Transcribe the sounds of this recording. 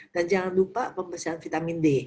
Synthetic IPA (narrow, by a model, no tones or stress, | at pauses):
d̥and͡ʒaŋandupaʔpəmbəsaːnfit̪aminde